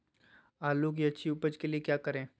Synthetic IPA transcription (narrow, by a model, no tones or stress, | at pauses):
aːlok̬iɐtːʃʰiʊpəd͡ʒkeliekjaːkəɾẽː